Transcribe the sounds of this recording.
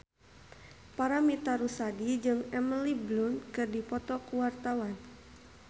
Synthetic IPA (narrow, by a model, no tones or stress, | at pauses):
paɾamit̪aɾusadid͡ʒɨŋɛmliblunkɨrdipɔt̪ɔkuwart̪awan